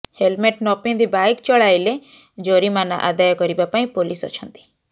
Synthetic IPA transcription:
helmeʈnɔpĩnd̪ibajkt͡ʃɔɭajle | d͡ʒoɾimana̰ʔa̰d̪ajɔkɔɾibapaĩpolisɔ̰t͡ʃʰɔ̃nt̪i̥

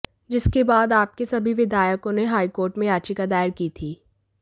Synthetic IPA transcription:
d͡ʒɪskebaːd̪aːp̚kesɐbʱiʋɪd̪ʱaːjəkõneɦaːikoːɾʈmẽjaːt͡ʃikad̪aːɪəɾkiːt̪ʰiː

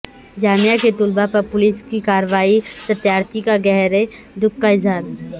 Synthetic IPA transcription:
d͡ʒaːmijaket̪ʊlbapɐɾpʊlɪskikaːɾʋaːisɐt̪jaːɾt̪ikaɡɛɦɾe | d̪ʊkːaɪzɦaːɾ

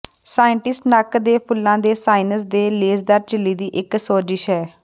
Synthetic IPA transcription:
saːɪɳʈɪsʈnəkd̪eːpʰʊlːãːd̪eːsaːinəsd̪eːleːzd̪əɾt͡ʃɪlːiːd̪iːʔɪksoːd͡ʒɪʃɦɛː

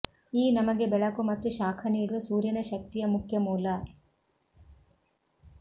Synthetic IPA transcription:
iːnɐmɐɡe̞bɛɭɐkumɐt̪ːuʃaːkʰɐniːɽuʋɐsuːɾjɐnɐʃɐk̚t̪ijɐmukʰjɐmuːlɐ

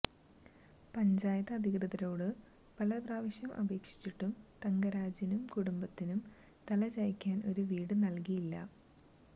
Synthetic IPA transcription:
pɐɲd͡ʑaːjɐðɐːd̪ʱiɣrɨðɐɾo̞ːɽɨ | pɐlɐpraːʋɐɕjɐmʔɐ̰bʱe̞ːkʂi̥t͡ɕːiʈːumt̪ɐŋɡɐɾaːd͡ʑinumkuɽumbɐt̪ːinum | t̪ɐlɐt͡ɕɐjikʲːaːno̞ɾuʋiːɽɨnɐlkijilːɐ̰

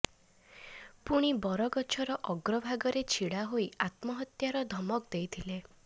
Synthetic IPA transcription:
puɽ̃ibɔɾɔɡɔt͡ʃʰɔɾɔʔɔɡɾɔbʱaɡɔɾet͡ʃʰiɽaɦoiat̪mɔɦɔt̪jaɾɔd̪ʱɔmɔkd̪ejt̪ʰile

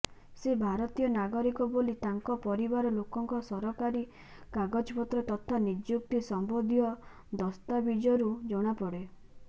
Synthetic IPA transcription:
sebʱaɾɔt̪ijɔnaɡɔɾikɔbolit̪aŋkɔpɔɾibaɾɔlokɔŋkɔsɔɾɔkaɾi | kaɡɔd͡ʒpɔt̪ɾɔt̪ɔt̪ʰanid͡ʒjukt̪isɔmbod̪ʱijɔ | d̪ɔst̪abid͡ʒɔɾud͡ʒɔɽ̃apɔɽe

